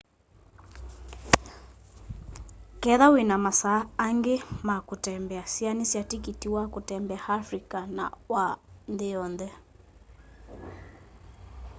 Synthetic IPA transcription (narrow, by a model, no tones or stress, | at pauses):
kɛðawenamasaːŋɡemakotɛmbɛasianesjatikitiwakotɛmbɛaafɾikana̰wandeɔnðɛ